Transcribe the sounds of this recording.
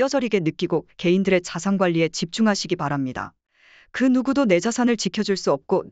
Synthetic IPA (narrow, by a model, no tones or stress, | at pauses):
ʌsʌɾiɡe̞nɯk͈iɡoke̞indɯɾe̞t͡ɕasʰaŋɡwaʎːie̞t͡ɕip̚t͡ɕ͈uŋɦaɕʰiɡipaɾamɲida̰ | kɯnuɡudone̞d͡ʑasʰanɯɭt͡ɕikʰjʌd͡ʑuɭs͈uʌp̚k͈o